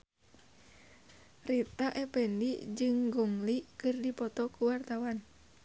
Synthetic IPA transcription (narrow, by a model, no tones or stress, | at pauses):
rit̪aʔɛpɛndid͡ʒɨŋɡɔŋlikɨrdipɔt̪ɔkuwart̪awan